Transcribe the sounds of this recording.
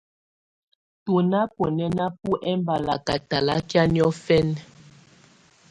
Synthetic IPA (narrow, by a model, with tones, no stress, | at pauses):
tu˨na˦po˨nɛ˦na˦pu˦ʔɛ˦mba˨la˨ka˨ta˨la˦kja˦ni˦ɔ˦fɛ˦n˨